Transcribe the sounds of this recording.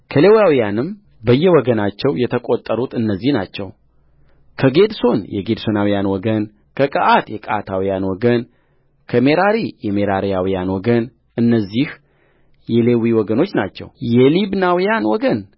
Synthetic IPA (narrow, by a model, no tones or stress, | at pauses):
kʰəlewjawijanɨm | bəjːɛwɔɡənat͡ʃːɛwjɛt̪ʰəkʼo̞t̪ʼːəɾut̪ɨnːəzːihna̰t͡ʃːɛ̰w | kʰəɡe̞d̪so̞njɛ̰ɡe̞d̪so̞nawijanwɔɡən | kʰəkʼəʔat̪jɛkʼa̰t̪ʰawijanwɔɡən | kʰəme̞ɾaɾijɛmeɾaɾijawijanwɔɡən | ʔɨnːəzːih | jɛle̞wiwɔɡəno̞t͡ʃːna̰t͡ʃːɛ̰wjɛlibnawijanwɔɡən